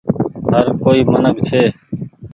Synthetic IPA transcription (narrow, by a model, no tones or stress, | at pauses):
ɦəɾkoːiːmənəkt͡ʃʰeː